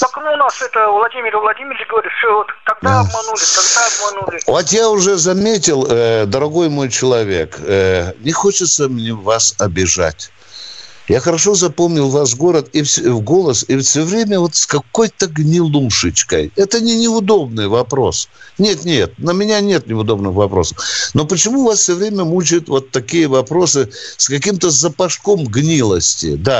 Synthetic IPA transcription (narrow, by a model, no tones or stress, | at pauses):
ɐknonasɛt̪əvlˠɐdʲimʲɪɾvlˠɐdʲimʲɪɾʲɪɡəvɐɾʲit̪sʲoot̪kɐɡ̚d̪aɐmɐnulʲɪt̪ɐɡd̪aɐb̚mɐnulʲɪvot̪jaʊʐɛzɐmʲetʲɪlˠd̪əɾɐɡo̞jmo̞jt͡ɕɪlˠɐvʲe̞̰knʲɪxot͡ɕɪt̪səmnʲevasɐbʲɪʐa̰tʲ | jaxəɾɐʂo̞zɐpo̞mnʲɪlˠvas̬ɡo̞ɾət̪ifsʲvɡo̞lˠəsɪsʲovɾʲemʲəvo̞t̪skɐko̞jt̪əɡnʲɪlˠuʂɨt͡ɕkə̰jɛt̪ənʲɪnʲɪʊd̪o̞bnɨjvɐpɾo̞snʲe̞t̪nʲe̞t̪̚nəmʲɪnʲanʲe̞t̪nʲɪʊd̪o̞bnɨxvɐpɾo̞səfno̞pət͡ɕɪmuvasfsʲovɾʲemʲəmut͡ɕɪjʊt̪vo̞t̪ːɐkʲijəvɐpɾo̞sɨskɐkʲimt̪əzəpɐʂko̞mɡnʲilˠəsʲtʲɪ̰d̪a